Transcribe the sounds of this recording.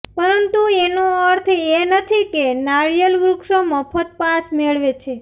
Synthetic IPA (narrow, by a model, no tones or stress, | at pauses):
pəɾənt̪uenũəɾt̪ʰenət̪ʰikenaɭijəlɡɾukʃoməfʰət̪̚pasmeɭʋet͡ʃʰe